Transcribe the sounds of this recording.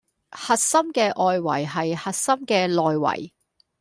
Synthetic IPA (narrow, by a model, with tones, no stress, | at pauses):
hɐ˨t̚sɐ˥mkɛː˧ʔɔː˨jwɐ̰˨˩jɦɐ˨jhɐ˨t̚sɐ˥mkɛː˧lɔː˨jwɐ̰˨˩j